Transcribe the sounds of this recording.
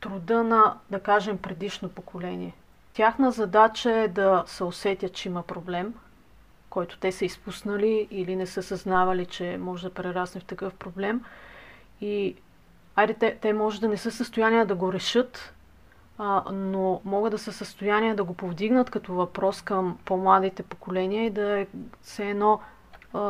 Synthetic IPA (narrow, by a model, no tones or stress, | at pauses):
t̪ɾud̪ɤnɐd̪ɐkaʒɛmpɾɛd̪iʃnopokolɛniɛ | t̪ʲjaxnəzɐd̪at͡ʃəɛd̪ɐsɛosɛt̪ʲət̪̚t͡ʃɛimɐpɾoblɛm | kɔjt̪ʊ̥t̪ɛsəispusnɐliːlinɛsɤsɐznavɐlit͡ʃɛmɔʒd̪ɐpɾɛɾasnɛft̪ɐkɤfpɾoblɛm | i | ajɾɛt̪ɛt̪ɛmɔʒəd̪ɐnɛsɤsəst̪ojanijəd̪ɐɡoɾɛʃɤt̪ | nomɔɡəd̪d̪ɐsəsəst̪ojaniəd̪ɐɡopovd̪iɡnət̪kɐt̪ovɐpɾɔskɐmpomlˠad̪it̪ɛpokolɛniəid̪ɐɛsɛːnɔ